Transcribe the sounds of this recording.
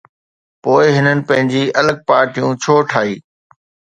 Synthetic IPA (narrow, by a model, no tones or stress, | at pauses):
poːɪɦɪnənɪ̆pɐ̃ɦɪ̃ɲd͡ʑiːɐləɡ̚paːɾʈijũt͡ɕʰoːʈʰaːiː